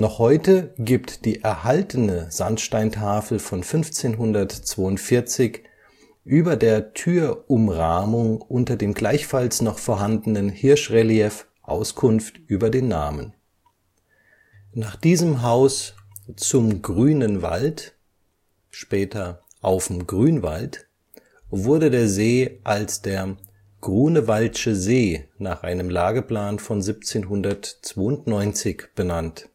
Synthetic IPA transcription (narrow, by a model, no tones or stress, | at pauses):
nɔχhɔʏtəɡiptd̥iːʔɛɐhaltʰənəz̥antʃtaɪntʰaːfl̩fɔnfʏnft͡seːnɦʊndɐtt͡sv̥oːʊntfɪɐt͡sɪç | ʔyːbɐdeːɐtʰyːɐʔʊmʁaːmʊŋʔʊntɐdeːmɡlaɪçfalsnɔχfoːɐɦandən̩ənhɪɐʃʁeliɛf | ʔa̰ʊskʰʊnftʔyːbɐdeːnːa̰ːmən | naːχd̥iːzəmɦaʊs | t͡sʊmɡʁyːnənva̰lt | ʃpɛːtʰɐ | ʔaʊfmɡʁyːnva̰lt | vʊɐdədeːɐzeːʔalsd̥eːɐ | ɡ̥ʁyːnəvalʃəzeːnaːχʔa̰ɪnəmlaːɡəpl̥aːnfɔnzip̚t͡seːnɦʊndɐtt͡sv̥oːʊntnɔʏnt͡sɪçb̥ənant